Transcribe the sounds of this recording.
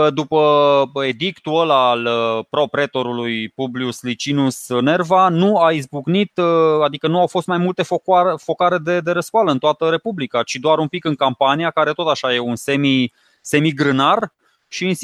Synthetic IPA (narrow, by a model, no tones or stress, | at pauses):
d̪upəe̞d̪ikt̪uəlalpɾo̞pɾe̞t̪o̞ɾulujpubliuslit͡ʃinusne̞rvanuaizbuɡnit̪ad̪ikənuawfo̞st̪majmult̪e̞fokafo̞kaɾe̞d̪e̞d̪e̞ɾəskoaləɨnt̪oat̪əɾe̞publikat͡ʃid̪oaɾumpikɨŋkampanijakaɾe̞t̪o̞t̪aʃajeunse̞mi | se̞miɡɾɨnar | ʃiːns